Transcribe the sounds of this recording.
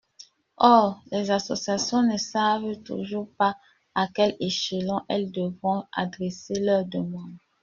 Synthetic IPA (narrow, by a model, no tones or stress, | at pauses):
ɔʁlɛzasosjasjɔ̃nəsavtṵʒuːʁpa | akɛleʃelɑ̃ʔɛld̪əvʁɔ̃a̰d̪ʁɛselœʁd̪əmɑ̃d̪